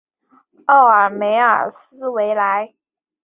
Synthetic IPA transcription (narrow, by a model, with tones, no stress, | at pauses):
ɑ˥˩ʊə˞˨˩me˧˥ɪə̰˞˨˩sɹ̩˥we˧˥ɪla˧˥ɪ